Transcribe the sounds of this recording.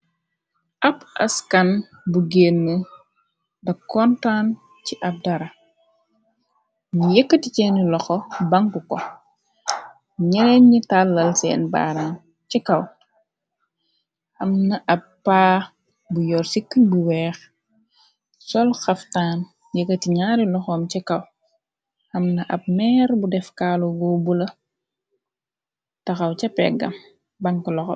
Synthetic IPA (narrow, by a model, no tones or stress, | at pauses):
ʔɐbɐ̰skɐn | buɡeːnːə | dɐkɔntan | t͡ʃiʔɐb̚dɐɾɐ | ɲijɛkːətit͡ʃɛːnilɔxɔbɐŋkukɔ | ɲɛɾɛɲɲitalːɐlsɛ̰ːnba̰ːɾan | cikɐw | ɐmnɐʔɐpːaː | bujɔːrsikːbuwɛːx | sɔlxɐftaːn | jɛkɐtiɲaːɾilɔxɔːmt͡ʃɛkɐw | hɐmnɐʔɐb̚mɛːɾbudɛfkaːluɡɔbulɐ | tɐxɐwt͡ʃɐpɛ̰ɡɐ̰m | bɐŋkulɔxɔ̰